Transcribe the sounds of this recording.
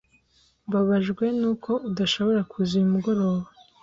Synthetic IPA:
βaβaʒɡwe̞nuːkʰo̞ʔudaʃo̞βo̞ɾakʰuziumuɡo̞ɾo̞ːβa

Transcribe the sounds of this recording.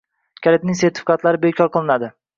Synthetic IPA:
kʲʰalɪt̪̚nɪŋseɾt̪ʰɪ̥fɪ̥qɑt̪laɾɪbekʲʰɒɾqʰɨlˠɪnad̪ɪ

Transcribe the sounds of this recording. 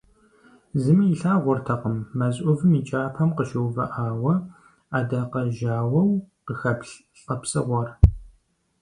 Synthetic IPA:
zɨmiːɬaːʁʷɔrtʰɐqəmːɐzʼʷʊvɨmiːt͡ʃʼaːpʰɐmqəʃɨwvɐʔaːwɐ | aːdaːqɐʒaːwɐwqəxɐpɬ | ɬʼɐpsɨʁʷɔr

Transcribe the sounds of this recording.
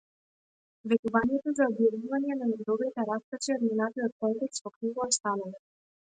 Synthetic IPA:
vɛt̪uvaɲiɛt̪ozaɔbjavuvaɲɛnanɛd̪ɔvit̪ɛɾast̪at͡ʃiɔd̪minat̪ijɔt̪̚kɔmt̪ɛkst̪vɔkɾiɡɔast̪analɛ

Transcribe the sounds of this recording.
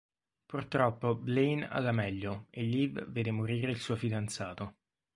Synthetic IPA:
purt̪ɾɔpːoblejna̰d̪amɛʎːoeʎːivveːd̪emoɾiːɾeilsuːofid̪ant̪saːt̪o

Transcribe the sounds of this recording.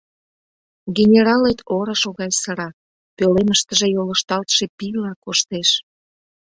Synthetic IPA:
ɡenʲeɾɑlet̪ʰoɾəʃoɣɑjsəɾɑ | pøleməʃt̪əʒejoləʃt̪ɑlt̪ʃepilɑkoʃt̪eʃ

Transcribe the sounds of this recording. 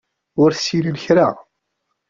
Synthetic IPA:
ʊɾθsiləlçɾa̰

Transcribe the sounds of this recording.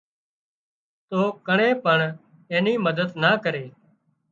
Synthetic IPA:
t̪oːkəɳẽːpəɳ | ẽːniːməd̪əd̪naːkəɾeː

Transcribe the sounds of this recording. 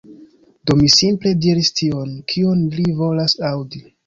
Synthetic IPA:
d̥o̞misimple̞diɾistʰio̞nkʰionlivo̞lasawdi

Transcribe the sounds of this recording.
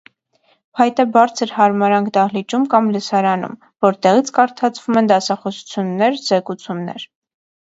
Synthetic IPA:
pʰɑjt̪ɛbɑɾt͡sʰəɾhɑɾmɑɾɑŋkd̪ɑhlit͡ʃumkɑmləsɑɾɑnṵm | vɔɾt̪ɛʁit͡sʰkɑɾt̪ʰɑt͡sʰvumɛnd̪ɑsɑχɔsu̥t͡sʰjunːɛɾzɛkut͡sʰumnɛ̰ɾ

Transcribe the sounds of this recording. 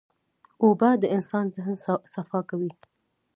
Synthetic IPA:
obad̪əɪnsɑnzɪhnsafɑkawi

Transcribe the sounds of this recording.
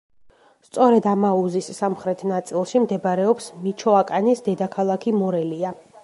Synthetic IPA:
st̪sʼɔɾɛd̪amauzisːamχɾɛt̪ʰnat̪sʼilˠʃimd̪ɛbaɾɛɔpsmit͡ʃʰɔakʼanisd̪ɛd̪akʰalˠakʰimɔɾɛlia

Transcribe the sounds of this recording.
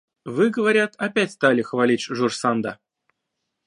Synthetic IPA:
vɨɡəvaɾʲat̪ʰapʲætʲst̪alʲɪxvalʲit͡ɕʐursand̪a̰

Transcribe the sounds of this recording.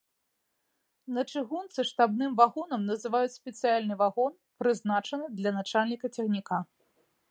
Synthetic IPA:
nɐt͡ʂɨɣunt̪sɨʂt̪abnɨmvaɣɔnɐmnɐzɨvajut͡sʲsʲpʲɛt̪sɨjalʲnɨvaɣɔnpɾɨznat͡ʂɐnɨd̪lʲɐnat͡ʂalʲnʲikɐt͡sʲɛɣnʲika

